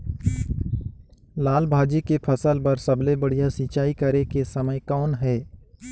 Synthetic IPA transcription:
laːlbʱaːd͡ʒikepʰɐsəlpɐɾsɐblebɐɽ̤ijasit͡ʃaːikɐɾekesɐməjkɔːnɦɛː

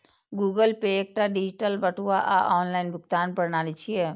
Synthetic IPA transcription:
ɡuɡəlpeːk̚ʈaɖid͡ʒiʈəlbəʈuaʔa̰ʔɔːnlaɪnbʊkt̪aːnpəɾnaːlit͡ʃʰije

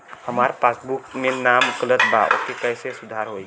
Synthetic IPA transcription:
həmaɾpasbukmenamukələd̪ba̰ʔo̰kekəɦsesud̪ʱaɾɦoj

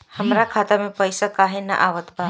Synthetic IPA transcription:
həmɾakʰaːt̪amẽpəjsakaɦenə̰ʔaʋət̪ba

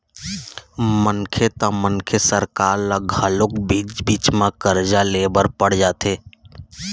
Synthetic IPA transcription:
mənkʰet̪ãmənkʰesəɾkaːɾlaɡʱalʊkbiːd͡ʒbiːt͡ʃmãkəɾd͡ʒaleːbəɾpəɽ̤d͡ʒaːt̪ʰeː

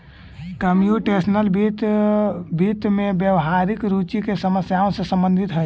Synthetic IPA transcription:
kəmjuʈesənəlbit̪ | bit̪mẽbjəwɦaɾikɾut͡ʃikesəməsjaõsẽsə̃mbə̃nd̪ʱit̪ɦə

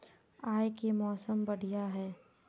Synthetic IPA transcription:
aːjkemɔːsəmbɐɽ̤ijaɦɛː

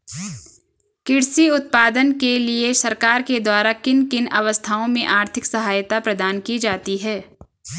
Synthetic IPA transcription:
kɪɽsiʊt̪̚paːd̪ənkeliesɐɾkaːɾked̪waːɾakɪnkɪnɐʋəst̪ʰaːõmẽʔaːɾt̪ʰɪksɐɦaːjt̪apɾɐd̪aːnkid͡ʒaːt̪iɦɛː

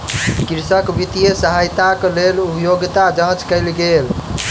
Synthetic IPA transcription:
kiɾsəkbit̪ijesəɦajt̪aklelupjoɡt̪ad͡ʒə̃t͡ʃkəɪlɡel

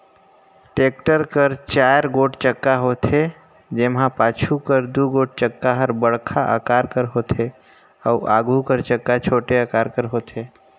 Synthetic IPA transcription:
ʈeːk̚ʈəɾkəɾt͡ʃaːɾɡoːʈt͡ʃəkːaɦoːt̪ʰe | d͡ʒemɦãpaːt͡ʃʰukəɾd̪uɡoːʈ̚t͡ʃəkːaɦəɾbəɽkʰaʔə̰kaːɾkəɾɦoːt̪ʰe | ɔːʔa̰ːɡukəɾt͡ʃəkːat͡ʃʰoːʈeakaːɾkəɾɦoːt̪ʰeː

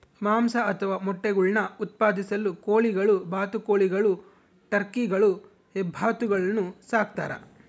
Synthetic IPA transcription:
maːmsɐɐt̪ʰɐʋaːmɔʈːeɡuɭnɐut̪̚paːd̪isɐlːukoːɭiɡɐɭubaːt̪ukoːɭiɡɐɭu | ʈɐɾkiɡɐɭu | hɛbʱːaːt̪uɡɐɭɐnːusaːk̚t̪a̰ːɾɐ̰

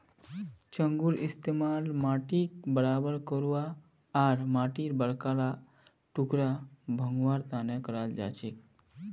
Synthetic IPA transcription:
t͡ʃəŋɡuɾɪst̪emalmaːʈikbəɾaːbəɾkəɾuaː | ɾmaːʈiɾbəɽkala | ʈukɾabʱə̃ŋɡʋaːɾt̪aːnekəɾald͡ʒa̰ːt͡ʃek

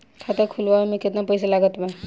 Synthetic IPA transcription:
k̪ʰat̪akʰulʋamẽkɪt̪napəjsalaɡət̪bɛ

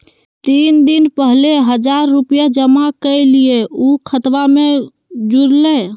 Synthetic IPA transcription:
t̪ind̪inpəɦleɦəd͡ʒaɾːupijad͡ʒəmakəɪlijeukʰət̪ʋame | d͡ʒuɾle

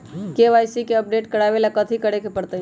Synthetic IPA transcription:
keʋajsikeəp̚ɖeʈkəɽaʋelakət̪ʰikəɽekepəɽt̪ə

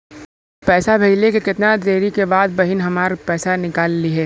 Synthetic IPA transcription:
pɛːsabʱeɪlekekɪt̪nad̪ɾeːɾikebaːd̪̚bɐɦɪnɦɐmaːɾpɛːsanɪkaːlːiɦɛː

